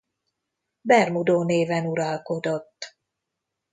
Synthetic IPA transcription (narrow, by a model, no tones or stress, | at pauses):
bɛrmud̪oːneːvɛnuɾɒlko̞d̪o̞t̪ː